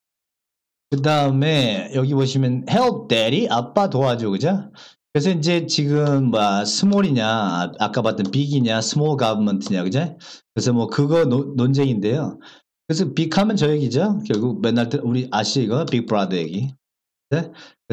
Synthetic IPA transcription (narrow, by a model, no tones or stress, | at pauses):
kɯdaɯme̞jʌɡiboɕ̬ʰimjʌnheop̚t͈eɾiʔap͈atoad͡ʑokɯd͡ʑokɯɾes̬ʰʌind͡ʑe̞t͡ɕiɡɯmːasʰɯmoɾiɲa̰ak͈apat͈ɯnpiɡiɲasʰɯmoɭɡabɯmʌntʰɯɲakɯd͡ʑakɯɾesʰʌmwʌkɯɡʌnonond͡ʑeŋinde̞jo | kɯɾes̬ʰʌpikʰamjʌnt͡ɕʌeɡid͡ʑokjʌɭɡuk̚menːaɭt͈ɯɾuɾiʔaɕʰiiɡʌjopik̚pɯɾadʌḛɡi | eke